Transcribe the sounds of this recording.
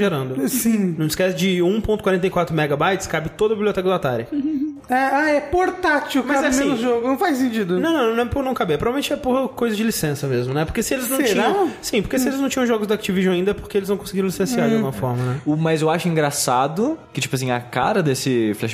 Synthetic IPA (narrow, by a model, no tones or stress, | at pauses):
ʒeɾɐ̃nd̪ʊsĩnɐ̃w̃ɪskɛsɪd͡ʒɪũpõnt̪ʊkwaɾẽnt̪ɐejkwat̪ɾʊmɛɡabajt̪skabɪt̪od̪ɐbibljot̪ɛkɐd̪ʊat̪a̰ɾjɐ | ɛaɛpoɾt̪at͡ʃiumkɐzaɛsmẽnʊzʒoɡʊnɐ̃w̃fajsẽnt͡ʃid̪ʊnɐ̃w̃nɐ̃w̃ññw̃ɛpoɾnɐ̃w̃kabeɛpɾvalemẽt͡ʃɛpokojzɐd͡ʒɪlisẽsɐmezmʊnɛpoɾkesɪelɪznɐ̃wt͡ʃĩɲɐ̃wsĩpoɾkesɪelɪznɐ̃t͡ʃĩɲɐ̃ʒɔɡʊzd̪akt͡ʃiviʒɐ̃w̃aĩnd̪ɐɛpoɾkeelɪzvɐ̃w̃kõsɪɡiɾ̃lisẽsiaɾd͡ʒɐɡɡũmɐfɔɾmɐnɛʊmɐzewaʃʊĩŋɡɾasad̪ʊkɪt͡ʃi̥pʊas̬ĩɐ̰ka̰ɾɐd̪esɪflɛʃ